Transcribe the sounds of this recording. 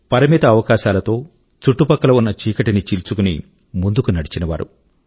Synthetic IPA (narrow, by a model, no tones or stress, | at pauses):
pɐɾɐmit̪ɐːʋɐkaːʃaːlɐt̪o̞ː | t͡ʃuʈːupɐkːɐlɐunːɐt͡ʃiːkɐʈinit͡ʃilt͡ʃukunḭ | mund̪ukunɐɽit͡ʃinɐʋa̰ːɾṵ